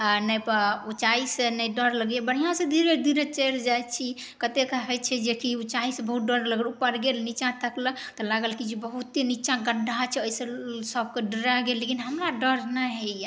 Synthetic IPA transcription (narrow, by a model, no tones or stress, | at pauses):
nəjpəut͡ʃaisenəɖəɾləɡebəɽ̤ijãsẽd̪ʱiɾed̪ʱiɾet͡ʃəjɾd͡ʒajt͡ʃʰi | kət̪ekəɦɛjt͡ʃʰɛd͡ʒekiut͡ʃaisẽbəɦut̪̚ɖəɾləɡlupəɾɡelnit͡ʃãt̪əklə | t̪ɔlaɡəlkid͡ʒebəɦut̪ːinit͡ʃãɡəɖʱat͡ʃʰɛojsẽsəb̚keɖəɾaɡelːekinɦəmɾaɖəɾnəɦeja